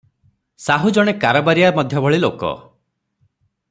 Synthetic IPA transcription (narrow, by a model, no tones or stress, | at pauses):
saɦud͡ʒɔɽ̃ekaɾɔbaɾijamɔd̪ʱjɔbɔɭilokɔ̰